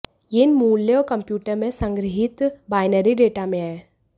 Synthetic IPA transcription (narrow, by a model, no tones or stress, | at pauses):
jeɪnmuːlːeɔːɾkɐmpjuːʈəɾmẽsɐ̃ŋɡɾɪɦɪt̪baːɪnəɾiɖeːʈamẽɛː